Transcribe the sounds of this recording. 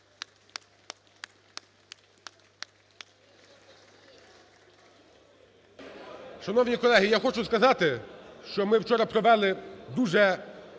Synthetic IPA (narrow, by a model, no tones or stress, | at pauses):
ʃɐn̪ɔwnʲikɔlˠɛɦijaxɔt͡ʃʊskɐzɑt̪ɪʃt͡ʃɔmɪwt͡ʃɔɾɐpɾɔʋɛlˠɪd̪uʒɛ